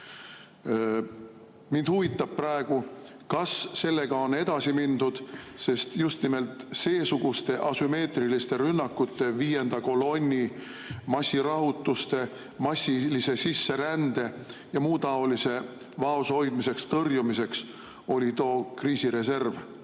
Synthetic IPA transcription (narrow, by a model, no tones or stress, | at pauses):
mind̪̥huvit̪ːˑɑb̥̚prɑe̞ɡ̥u | kɑsːe̞lːe̞ɡ̥ɑo̞ne̞d̪̥ɑsimind̪ud̪̥se̞st̪just̪nime̞lt̪ˑse̞ːsuɡ̥ust̪e̞ʔɑsyme̞ːt̪rilist̪e̞ɾynːɑkːˑut̪ːe̞viːje̞nd̪̥ɑko̞lo̞nʲːi | mɑsʲːiɾɑɦut̪ːˑust̪e̞ | mɑsʲːilise̞sisːe̞ɾænd̪̥e̞jɑmuːt̪ɑo̞lise̞ | vɑoso̞jd̪̥mise̞kst̪ɤrjumise̞ks | o̞lʲit̪oːkriːsiɾe̞se̞rv